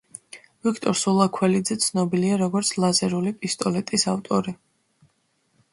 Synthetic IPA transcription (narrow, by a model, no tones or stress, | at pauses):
vikʰt̪ʼɔɾsulˠakʰwɛlid̪zɛt̪sʰnɔbiliaɾɔɡɔɾt̪sʰlˠazɛɾulipʼist̪ʼɔlɛt̪ʼisavt̪ʼɔɾi